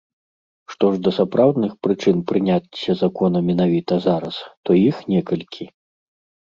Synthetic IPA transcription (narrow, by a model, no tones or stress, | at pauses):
ʂt̪ɔʐd̪ɐsapɾawd̪nɨxpɾɨt͡ʂɨnpɾɨnʲat͡sʲːɐzakɔnɐmʲɛnavʲit̪ɐzaɾɐst̪ɔjixnʲɛkɐlʲkʲʰi